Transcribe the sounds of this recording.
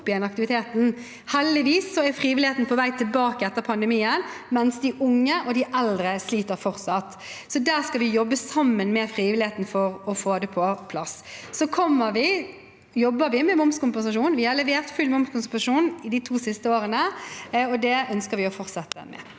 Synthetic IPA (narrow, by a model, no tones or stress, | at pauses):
pːɪd̪ɛnɑk̚t̪ɪʋɪt̪ʰeːt̪n̩ | hɛld̪ɪʋiːsːɔɛfɾiːʋɪlɪeːt̪n̩pʰɔʋæɪt̪ʰɪlbɑːkəɛt̪ːəɾpʰɑnd̪əmiːənmɛnsd̪ɪʔʊŋːəʔɔd̪ɪʔɛld̪ɾəsliːt̪əɾfɔʁt̪sɑt̪ː | sɔd̪æːʁskɑʋɪjɔbːəsɑmːənmɛfɾiːʋɪlɪheːt̪n̩fɔɾɔfoːd̪ɛpʰɔpʰlɑssɔkʰɔmːəɾʋɪ | jɔbːəɾʋɪmɛmʊmskʊmpɛnsɑʂuːnʋɪhɑɾlɛʋeːʁt̪fʉlmʊmskʊnsp̪ɑʂuːnɪd̪ɪt̪ʰuːsɪst̪əoːɾənəɔd̪ɛœnskəɾʋɪɔfɔɾt̪sɛt̪ːə̰mɛ̰